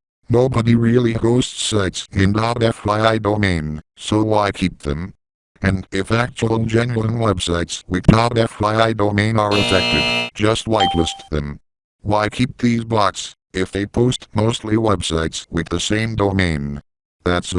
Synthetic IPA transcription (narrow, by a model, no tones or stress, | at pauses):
noʊbəɾiɹɪlˠihoʊstsaɪtsɨ̃ndɑɛfɹaɪaɪdoʊmẽɪ̃nsoʊwaɪkʰip̚ðɨ̰̃m | ɨ̃nɪfæk̚t͡ʃl̩ˠd͡ʒɛ̃nl̩ˠə̃nwɛbsaɪtswɨðɑɾɛfɹaɪaɪdoʊmẽɪ̃nə˞ɨfɛk̚tɨd̚d͡ʒʌst̚waɪtˡlɪstðɨ̃m | waɪkʰip̚ðizbɑks | ɨfðeɪpʰoʊstmoʊstˡliwɛb̥saɪtswɨðɨsẽɪ̃mdoʊmẽɪ̃n | ðæts